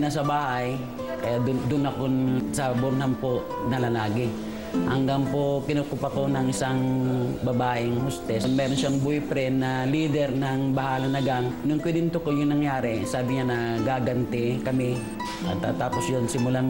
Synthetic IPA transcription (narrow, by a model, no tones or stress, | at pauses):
nɐs̬ɐbaːhɐj | kɐjaʔd̪ʊd̪ʊnɐkonsɐbʊnnampo | nɐlalaːɡɪ | hɐ̰ŋɡaŋpokɪnokʊpɐkonɐŋʔɪsaŋbɐbaːʔɪŋhʊst̪ɛsmɛːɾonʃaŋbojpɾɛnɐliːd̪ɛɾnɐŋbɐhaːlɐnɐɡaŋnʊŋkwɪd̪ɪnt̪ʊkojʊŋnɐŋjaːɾɛsaːbɪɲanɐɡaːɡɐnt̪ɛkɐmɪ | nɐ̰ɡt̪a̰ːt̪aːposjonsɪmʊlam